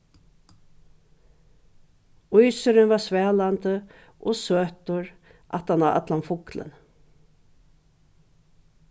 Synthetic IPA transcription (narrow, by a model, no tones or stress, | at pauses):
ʊjsʏɾɪnvasvɛːlant̪ə | ʔɔsøːt̪ʊɹ | ʔa̰t̪anaʔa̰t̪lanfʊklə̰n